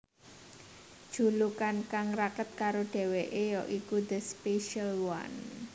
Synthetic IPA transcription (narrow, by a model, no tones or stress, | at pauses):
d̥ʒ̥ṳlukankaŋrakət̪̚kaɾoɖ̥ɛ̤weʔejɔʔikud̪əspeʃalwa̰n